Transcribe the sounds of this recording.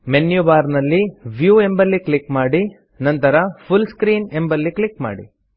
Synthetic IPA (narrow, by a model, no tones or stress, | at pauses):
menjubaːɾnɐlːiʋjuːe̞mbɐlːikɭikmaːɽi | nɐnt̪ɐɾɐpʰulskɾiːnembɐlːikɭikma̰ːɽḭ